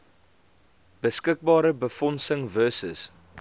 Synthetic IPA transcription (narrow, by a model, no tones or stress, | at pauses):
b̥əskək̚bɑːɾəbəfɔnsəŋvœsə̰s